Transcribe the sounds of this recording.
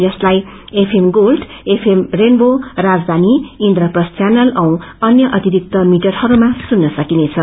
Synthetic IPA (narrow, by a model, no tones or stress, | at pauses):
jʌslajepʰemɡolɖepʰemrenborad͡zd̪ʱaniind̪ɾʌprʌst̪janʌlʌw̃ʌnjʌʔʌt̪iɾik̚t̪ʌmiʈʌrhʌɾumasunːʌsʌkinet͡sʰʌ